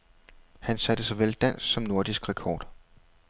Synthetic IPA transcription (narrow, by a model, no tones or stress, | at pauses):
hænsæd̥əsɒʋel̰d̥æn̰ssɒ̽mno̝ɐd̥isɡ̥ʁɛkʰɒ̰ːd̥